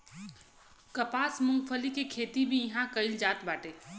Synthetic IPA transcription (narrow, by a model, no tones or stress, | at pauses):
kɐpaːsmʊ̃ŋɡfʰəlikikʰeːt̪ibʱijɐɦãkɐɪld͡ʒaːt̪baːʈeː